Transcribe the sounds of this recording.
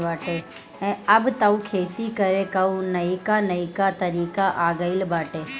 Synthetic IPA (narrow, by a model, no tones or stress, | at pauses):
baːʈeː | ẽɐbt̪ɐũkʰeːt̪ikɐɾekɐunɐikanɐikat̪ɐɾiːkaʔaːɡəɪlbaːʈeː